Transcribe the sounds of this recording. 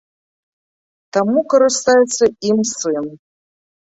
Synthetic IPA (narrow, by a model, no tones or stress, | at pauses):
t̪amukɐɾɨst̪ajɛt̪sɐimsɨn